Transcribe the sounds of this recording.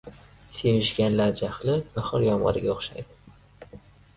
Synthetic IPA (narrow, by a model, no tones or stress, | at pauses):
semɪʃɡʲanlaɾd͡ʒaχlɪbaχɨɾjɒmʁɑ̰ɾɪ̰ɡʲaoχʃa̰jd̪ɪ